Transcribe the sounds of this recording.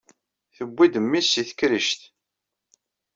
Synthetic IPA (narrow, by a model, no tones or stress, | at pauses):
θəbːid̪əmːisiθə̥kɾəʃt̪